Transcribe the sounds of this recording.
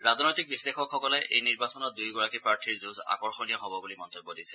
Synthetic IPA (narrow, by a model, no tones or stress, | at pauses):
ɹaznojtik̚bislexɔkxɔkɔlɛʔejniɹbasɔnɔt̚dujɡɔɹakipɹaɹtʰiɹzuza̰kɔɹxɔnijɔɦɔbɔɡulimɔntobːɔdisɛ̥